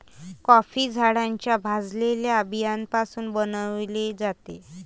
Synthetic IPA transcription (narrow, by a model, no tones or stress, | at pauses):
kɔfid͡zʱaɽaɲt͡ɕjabʱad͡zleljaəbʱijanpasuːnbənəʋled͡zat̪e